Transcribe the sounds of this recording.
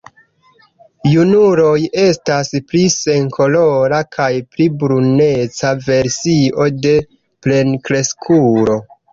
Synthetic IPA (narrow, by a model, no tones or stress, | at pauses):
junuɾo̞je̞staspɾise̞ŋkʰo̞lo̞ɾakʰajpɾibɾunet͡save̞ɾsiʔo̞de̞ | ple̞nkɾe̞skʰuɾo̞